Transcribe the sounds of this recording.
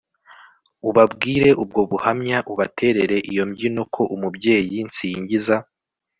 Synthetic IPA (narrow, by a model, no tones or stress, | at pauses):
uβabɡiːɾe̞ʔub̚ɡo̞βuhamɲaʔuβatʰe̞ːɾe̞ɾe̞ʔijo̞mɟino̞kʰo̞ʔumubɟe̞ːjint͡siːɲɟiza